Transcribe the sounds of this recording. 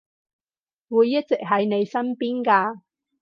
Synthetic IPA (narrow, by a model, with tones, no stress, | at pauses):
wuː˨˧jːɐ˥t̚t͡sɪ˨k̚ɦɐ˨jne˨˧jsɐ˥mpiː˥nkaː˧